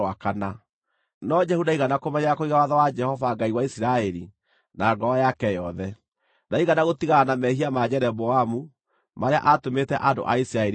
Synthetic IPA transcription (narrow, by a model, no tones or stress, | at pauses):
wakana | nɔd͡ʒɛhudaiɣanakomɛɲaakoiɣawaðawad͡ʒɛhɔvaɡaiwaisiɾaɛɾi | naɡɔajakɛjɔðɛ | naiɣanaɣotiɣaːnamɛɦiamad͡ʒɛɾɛbɔamu | maɾea̰ʔatometɛʔando̰ʔa̰isiɾaɛ